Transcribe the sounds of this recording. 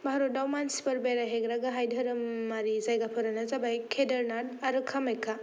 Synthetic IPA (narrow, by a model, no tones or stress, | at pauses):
bʱaɾot̚dawmansi̥pɐɾbeɾaɦeɡɾaɡaɦajdʱɐɾɯmːaɾizajɡapʰɯɾanazabajkʰedɐɾnad̚aɾɯkʰamejkʰa